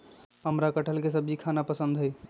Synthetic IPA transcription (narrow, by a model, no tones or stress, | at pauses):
ɦəmɾakəʈʰəlkes̬əbʱikʰanapəsənd̪ʱɦəj